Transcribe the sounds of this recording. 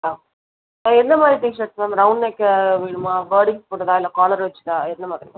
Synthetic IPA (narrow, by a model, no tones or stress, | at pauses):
aː | laːɛnd̪ɐmaːd̪ɾiʈiʂɐʈsmɐmɾɐʊnːekːɐʋiːɳɯmaːʋɐːɽɪŋspoːʈɐt̪ãːɪlːɐkaːlɐɾʋɐt͡ʃːɯ̥t̪ãːɛnd̪ɐmaːd̪ɾika